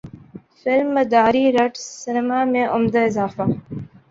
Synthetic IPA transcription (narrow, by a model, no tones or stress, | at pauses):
fɪlmːəd̪aːɾiːɾɐʈsɪnəmaːmẽʔʊmd̪aɪzaːfaː